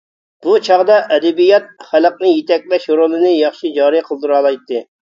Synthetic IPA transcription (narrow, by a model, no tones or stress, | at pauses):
b̥ut͡ʃʰɑʁd̪ɑʔɛd̪ɛbijɑt̪̚χælˠəq̚nɨjet̪ɛk̚ʲlɛʃoɾolˠɨnɨjɑχʃid͡ʒɑːɾijqʰəlˠd̪ɨɾɑlˠɑjt̪ːɨ